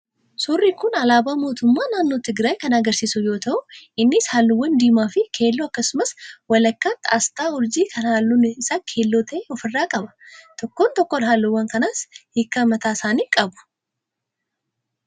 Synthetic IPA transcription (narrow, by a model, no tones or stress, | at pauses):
sʊrːɪkʊnɐlaːbaːmo̞ːt̪ʊmːaːnaːnːo̞ːt̪ɪɡɾaːjkɐnɐɡɐɾsiːsʊjoːt̪ɐʔʊʔɪnːɪshaːlːʊwːɐnd̪iːmaːfɪkʰe̞ːlːoːɐkːɐsʊmɐswɐlɐkːaːt̪a̰ːst̪aːʊɾd͡ʒiːkʰɐnhaːlːunɪɪsaːkʰe̞ːlːo̞ːt̪ʰɐʔeɔfɪrːaːkʼɐbɐ̥t̪ɔkːoːnt̪ɔkːɔnɦaːlːowːɐŋkɐnaːshɪkːɐmɐt̪aːsaːniːkʼɐbʊ̥